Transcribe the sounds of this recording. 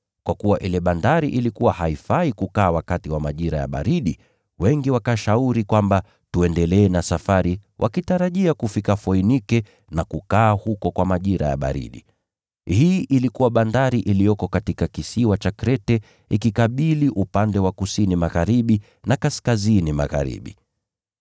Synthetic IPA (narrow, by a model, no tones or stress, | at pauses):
kwakuwaʔilɛɓandaɾiʔilikuwahaifaikukaːwakatiwamaʄiɾa̰ja̰ɓa̰ɾiɗi | wɛŋɡiwakaʃauɾikwamba | tuɛndɛlɛːnasafaɾiwʔa̰kitaɾaʄiakufikafɔinikɛ | nakukaːhukɔkwamaʄiɾa̰ja̰ɓa̰ɾḭɗḭ | hiːʔilikuwaɓandaɾiʔilijɔkɔkatikakisiwat͡ʃakɾɛtɛ | ikikaɓiliʔupandɛwakusinimaɣaɾiɓi | nakaskazinima̰ɣa̰ɾḭɓḭ